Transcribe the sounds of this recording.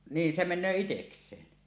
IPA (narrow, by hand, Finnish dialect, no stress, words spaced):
niːn se menˑøː iteksˑeːn